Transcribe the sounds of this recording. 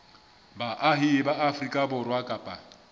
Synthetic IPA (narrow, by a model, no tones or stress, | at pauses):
baʔaɦɪbaʔafrikʼabʊrwakʼaːpʼa